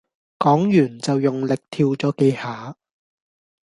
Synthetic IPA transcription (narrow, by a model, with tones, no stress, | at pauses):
kɔː˨˥ŋjyː˨˩nt͡sɐ˨wjʊ˨ŋlɪ˨k̚t̪ʰiː˧wt͡sɔː˨˥ke˧jhaː˨˩